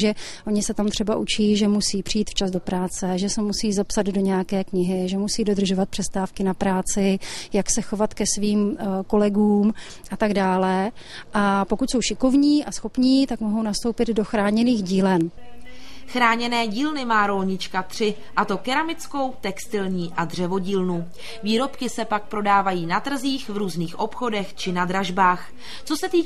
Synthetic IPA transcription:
ʒɛʔo̞ɲɪsɛt̪amt̪r̥ɛbaʔut͡ʃiːʒɛmusiːpr̝̥iiːt̪ft͡ʃazdo̞pɾaːt͡sɛʒɛsɛmusiːzapsad̪do̞ɲɛjakɛːkɲɪɦɪʒɛmusiːdo̞d̪r̩ʒo̞vat̪̚pr̥ɛst̪aːfkɪnapɾaːt͡sɪjaksɛxo̞vat̪kɛsviːmko̞lɛɡuːm | ʔat̪aɡdaːlɛ | ʔapo̞kucso̞wʃɪko̞vɲiːʔasxo̞pɲiːt̪akmoɦo̞wnast̪o̞wpɪd̪do̞xɾaːɲɛniːɣɟiːlɛn | xɾaːɲɛnɛːɟiːlnɪmaːɾo̞lɲɪt͡ʃkat̪r̝̥ɪ | ʔat̪o̞kɛɾamɪt͡sko̞wt̪ɛkst̪ɪlɲiːʔadr̝̥ɛvo̞ɟiːlnu | viːɾo̞pkɪsɛpak̚pɾo̞daːvajiːnat̪r̩ziːxvɾuːzniːxʔo̞pxo̞dɛxt͡ʃɪnad̪ɾaʒbaːx | t͡so̞sɛt̪iː

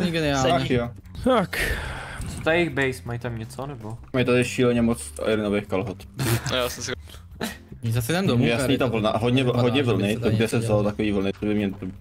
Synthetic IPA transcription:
ɡɛnɪaːakjo | t̪ak | t͡sot̪ajeɣbɛjsmajt̪amɲɛt͡sonɛbomajt̪adɪʃiːlɛɲɛmot͡sa̰jɾɪnovejxkalɦot̪jaːsɛmsɛ | zasɛamdojasniːt̪avl̩naʔɦod̪ɲɛɦod̪ɲɛvl̩nɪt̪oɡdɛsɛvzalot̪akoviːvl̩nɪt͡sobɪmɲɛt̪o

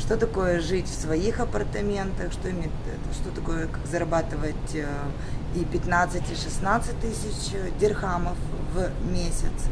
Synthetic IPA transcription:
ʂt̪o̞t̪ɐko̞jəʐɨtʲfsvɐixɐpərt̪ɐmʲe̞nt̪əxʂt̪oɪmʲetʲt̪ʂt̪o̞t̪ɐko̞jəkakzɐɾɐbat̪ɨvətʲ | ipʲɪt̪nat̪sɨtʲiʂɨsnat̪sɨt̚ʲt̪ɨsʲɪt͡ɕ | dʲɪrxaməfvmʲesʲɪt̪s

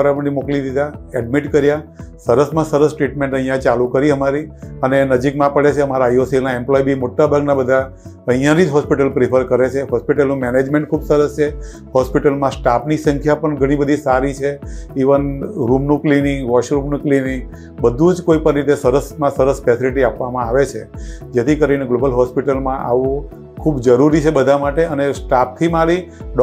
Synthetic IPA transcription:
ɾapənimoklid̪id̪aɛɖmiʈkəɾjasəɾəsmãsəɾəsʈɾiʈmẽɳʈəɦĩjãt͡ʃalukəɾiəmaɾiənenəd͡ʒikmãpəɭet͡ʃʰeəmaɾaiosilnaɛmplɔibʱimoʈːabʱaɡnabəd̪ʱa | ə̃ɦijãɾid͡ʒɦɔspiʈəlpɾɪpʰəɾkəɾet͡ʃʰeɦɔspiʈəlnũmɛned͡ʒmẽɳʈ̚kʰubsəɾəst͡ʃʰe | hɔspiʈəlmãsʈapnisəŋkʰjapəɳɡʱəɽ̃ibəd̪ʱisaɾit͡ʃʰeiʋənɾumnũklinɪŋɡʋɔʃɾumnũklinĩŋɡ | bəd̪ʱũd͡ʒkoipənɾit̪esəɾəsmãsəɾəsfɛsiliʈiapʋamãaʋet͡ʃʰed͡ʒet̪ʰikəɾineɡlobəlɦɔspiʈəlmãʔaʋũ | kʰubd͡ʒəɾuɾit͡ʃʰebəd̪ʱamaʈeənesʈap̚t̪ʰimaɾiɖ

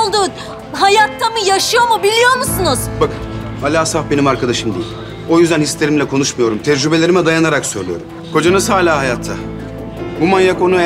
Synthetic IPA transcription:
lˠd̪uː | ɦajat̪ʰːamɯjaʃɯjo̞mubilʲijo̞ɾmusunɯz̥bakɯ | alʲaːsafbe̞nimaɾkʰad̪aʃɯmd̪ḭilʲ | o̞jyzd̪ænhislʲeɾimlʲɛkʰo̞nuʃmajo̞ɾumt̪ʰɛd͡ʒɾybe̞lʲe̞ɾimɛd̪ajanaɾaksøɾlʲyjo̞ɾum | kʰo̞d͡ʒanɯsaːlʲaːɦajat̪ʰːa | bumanjako̞nu

